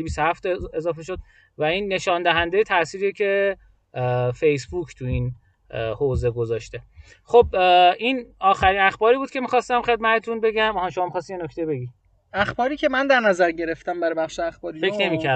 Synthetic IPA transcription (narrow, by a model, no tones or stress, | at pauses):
bisohæft̪ezɒːfe̞ʃod̪̚ | væinːe̞ʃɒːnd̪æɦænd̪ejet̪ʰæsiːɾiecʰe̞ | fe̞jsbuːkʰt̪ʰuin | hoːze̞ɡozɒːʃt̪e̞ | xobinɒːxæɾinæxbɒːɾiːbuːd̪̚cʰe̞mixɒːst̪æmχe̞d̪̚mæt̪ʰet̪ʰunbe̞ɟæmɒhæmʃomɒːmixɒːst̪ijenokʰt̪ejibe̞ɡiː | æxbɒːɾiːcʰʲemænd̪æɾnæzæɾɟe̞ɾeft̪æmbæɾɒbæχʃeæxbɒːɾifekʰne̞miːcʰæɾ